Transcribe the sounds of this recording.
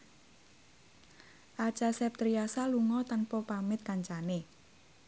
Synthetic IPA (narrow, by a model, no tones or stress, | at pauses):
ʔḁt͡ʃasɛp̚t̪ɾiasaluŋɔt̪anpɔpamɪt̪̚kaɲt͡ʃane